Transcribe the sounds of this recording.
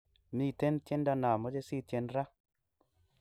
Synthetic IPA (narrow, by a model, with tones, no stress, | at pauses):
mi˨te˦ntje˦nda˧na˨mo˦d͡ʒe˦si˦˨tje˧nɾa˦